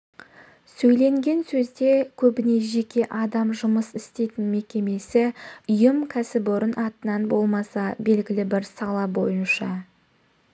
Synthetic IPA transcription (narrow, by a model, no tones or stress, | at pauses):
sɵjle̞ŋɡʲe̞nsɵzd̪e̞kʲʰɵbɪne̞ʒe̞kʲe̞ʔɑd̪ɑmʒʊməsɪst̪e̞jt̪ɪnme̞kʲe̞me̞sɪʊjəmkʲʰæsɪboɾənʔɑt̪ənɑnbo̞lˠmɑsɑbe̞lɡʲɪlɪbɪɾsɑlˠɑbo̞̰jənʃɑ